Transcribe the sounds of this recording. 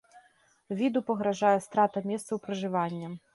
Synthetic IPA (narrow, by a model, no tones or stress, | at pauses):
vʲid̪upɐɣɾaʐajɛst̪ɾat̪ɐmʲɛst̪sɐwpɾɐʐɨvanʲːɐ